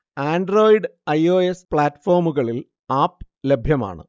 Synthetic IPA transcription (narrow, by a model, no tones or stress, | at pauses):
aːnɖro̞ːjiɖɐjo̞ːespɭaːtːfo̞ːrmuɣɐɭil | aːpːɨ | lebʱjɐma̰ːɳɨ̰